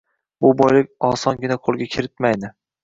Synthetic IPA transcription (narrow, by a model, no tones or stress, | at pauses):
bʊbɒjlɪkʲɒsɒnɡʲɪnaqʰolˠɡʲakʲʰɪɾɪt̪majd̪ɪ